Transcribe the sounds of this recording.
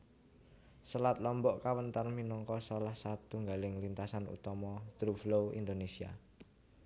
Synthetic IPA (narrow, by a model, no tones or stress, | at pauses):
səlat̪̚lɔmbɔʔkawənt̪arminɔŋkɔsɔlahsat̪uŋɡalɪŋlint̪asanṵt̪ɔmɔd̪̥ɾuflowḭnd̪onesia̰